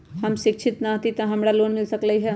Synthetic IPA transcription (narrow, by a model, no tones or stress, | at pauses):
hɐmʃɪkʃʰɪt̪nɐt̪it̪ɐ̃ɦɐmɽaloːnmɪlsɐklɐiɦɛː